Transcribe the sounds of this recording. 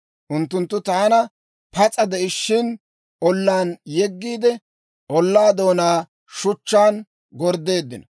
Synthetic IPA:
ʔʊnt̪ːʊnt̪ːʊt̪aːnɐ | pɐt͡sʼɐd̪ɛʔɪʃːɪn | ʔɔlːaːnjɛɡːiːd̪ɛ | ʔɔlːaːd̪o̞ːnaː | ʃʊt͡ʃːaːn | ɡɔɾd̪e̞ːd̪ːɪnɔ

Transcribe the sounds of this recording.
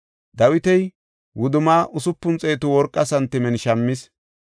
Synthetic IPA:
d̪ɐwɪt̪ɛj | wʊd̪ʊmaːʔʊsʊpːʊnt͡sʼeːt̪ʊwɔɾkʼːɐsɐnt̪ːɪmɛnʃɐmːɪs

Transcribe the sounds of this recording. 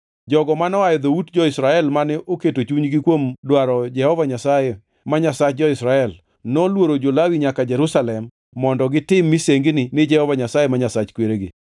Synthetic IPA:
d͡ʒɔɡɔmanɔajɛd̪outd͡ʒɔɪsɾaɛlmanɛʔoketot͡ʃuɲɡɪkwomdwaɾɔd͡ʒɛhɔvaɲasaje | maɲasat͡ʃ̚d͡ʒɔɪsɾaɛl | nɔlwoɾod͡ʒolawiɲakad͡ʒɛɾusalɛmː | ɔndɔɡɪtɪmːiseŋɡnɪnɪd͡ʒɛhɔvaɲasajemaɲasat͡ʃkweɾeɡɪ̰

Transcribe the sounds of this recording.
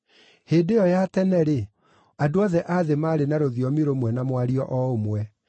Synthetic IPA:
heːdeɔjatɛnɛɾe | adoɔðɛʔaðemaːɾenaɾoðiɔmiɾomwɛnamwaɾiɔʔɔomwɛ

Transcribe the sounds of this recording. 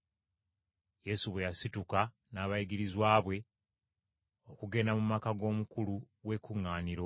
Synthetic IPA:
je̞suβwe̞jasituka | naːβajiɡiɾizwaːβwe̞ | o̞kuɡe̞namumakaɡo̞ːmukulu | we̞kuŋːaːniɾo

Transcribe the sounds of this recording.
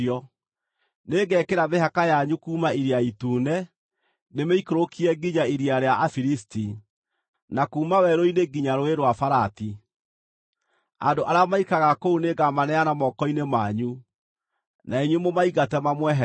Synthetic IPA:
ɔ | neɡɛkeɾameɦakajaɲukuːmaiɾiaituːnɛ | nemeikoɾokʰiɛɡiɲaiɾiaɾeaʔafiɾisti | nakuːmawɛɾoineɡiɲaɾoeɾwafaɾati | a̰ndoʔaɾeamaikaɣakouneɡamanɛanamɔkɔinemaɲu | naeɲwemomaiɣatɛmamwɛɦ

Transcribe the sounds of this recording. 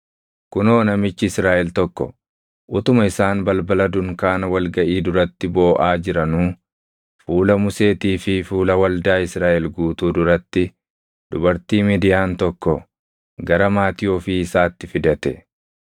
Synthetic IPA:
kʊnoːnɐmɪt͡ʃːɪɪsɾaːʔɛlt̪ɔkːɔ̰ | ʔʊt̪ʊmɐɪsaːnbɐlbɐlɐd̪ʊŋkaːnɐwɐlɡɐʔiːd̪ʊɾɐt̪ːɪbo̞ːʔaːd͡ʒɪɾɐnuː | fuːlɐmʊse̞ːt̪iːfɪfuːlɐwɐld̪aːɪsɾaːʔɛlɡuːt̪uːd̪ʊɾɐt̪ːɪ | d̪̥ʊbɐɾt̪iːmid̪ɪjaːnt̪ɔkːɔ | ɡɐɾɐmaːt̪ɪjoːfɪɪsaːt̪ːɪfɪd̪ɐt̪ɛ

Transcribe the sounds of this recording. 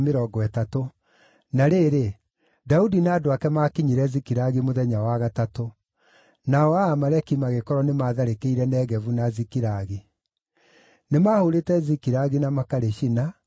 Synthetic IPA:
meɾɔɡɔɛtato | naɾeːɾe | daudinadoakɛmaːkiɲiɾɛzikiɾaɣimoðɛɲawaɣatato | naɔaːmaɾɛkimaɣekɔɾɔnemaːðaɾekeiɾɛnɛːɣɛvunazikiɾaɣi | nemahoɾetɛzikiɾaɣinamakaɾeʃina

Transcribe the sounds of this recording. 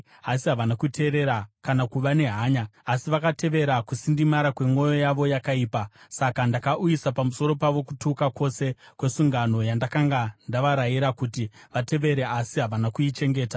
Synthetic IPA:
asiɦaʋanakutʰe̞ːɾe̞ɾakanakuʋane̞ɦaːɲaːsiʋakate̞ʋe̞ɾakusindimaɾakwe̞ŋo̞jo̞jaʋo̞jakaiːpasakandakaʔujisapamuso̞ɾo̞paʋo̞kutukako̞se̞kwe̞suŋɡano̞jandakaŋɡandaʋaɾajiɾakutiʋate̞ʋe̞ɾe̞ʔasiɦaʋanakuit͡ʃe̞ŋɡe̞ːtḁ

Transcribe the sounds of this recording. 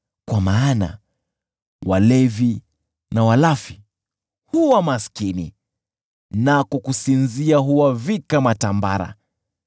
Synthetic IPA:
kwamaːna̰ | walɛvi | nawalafi | huwamaskinḭ | nakɔkusinziaɦuwavikamatamba̰ɾa̰

